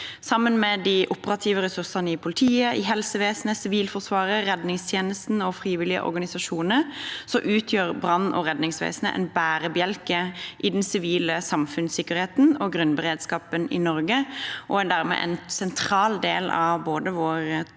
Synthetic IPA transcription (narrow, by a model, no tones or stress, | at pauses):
sɑmːənmɛd̪ɪʔʊpəʁɑt̪ʰiːʋəɾɛsʉɾsɑnəɪpʰʊlɪt̪ʰiːəʔɪɦɛlsəʋeːsn̩əsɪʋiːlfɔʁsʋɑːɾəɾɛd̪nɪŋst̪ʰjeːnəst̪n̩ɔfɾiːʋɪlɪə̰ʔɔ̰ɾɡɑnɪsɑʂuːnəɾsɔʔʉːt̪ʰjøːɾbɾɑnːɔ̰ɾɛd̪nɪŋsʋḛːsnə̰ʔɛ̰nbæːɾəbjɛlkəʔɪd̪ɛnsɪʋiːləsɑmfʉnsɪkːəɾheːt̪n̩ɔɡɾʉnbəʁeːd̪skɑːpənɪ̰nɔɾɡəʔɔɛnd̪æːɾmɛ̰ʔɛ̰nsɛnt̪ʰɾɑːld̪eːlɑ̰ʋboːd̪əʋoːɾ